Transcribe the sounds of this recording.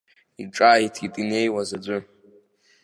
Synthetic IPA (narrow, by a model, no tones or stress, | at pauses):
iʈ͡ʂʼaːjitʰitʼinejwazad͡ʒʷʊ